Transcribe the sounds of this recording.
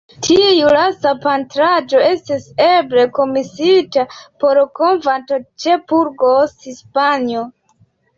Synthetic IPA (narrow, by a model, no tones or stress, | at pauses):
tʰiejulasapantɾad͡ʒo̞e̞stisebɾe̞ko̞misitapo̞ɾkonvantot͡ʃepuɾɡosispanio